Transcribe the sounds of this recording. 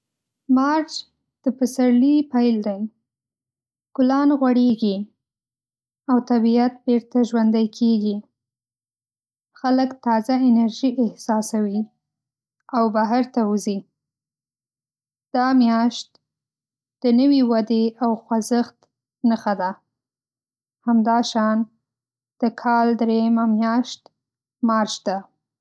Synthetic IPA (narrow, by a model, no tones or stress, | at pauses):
mɑɾt͡ʃ | d̪̥əpəsaɾlipajld̪aj | ɡ̥ʊlɑnɣwaɽeɡi | awt̪abiat̪̚beɾt̪aʒwand̪ajkʰeɡi | xaləkt̪ɑzaɪnaɾʒiʔɪhsɑsawi | awbaɦaɾt̪auzi | d̪̥ɑmjɑʃt̪ | d̪̥ənəwiwad̪eawxwazəxt̪ | nəxad̪a | hamd̪ɑʃɑn | d̪̥əkʰɑld̪ɾejamamjɑʃt̪ | mɑɾʃd̪̥a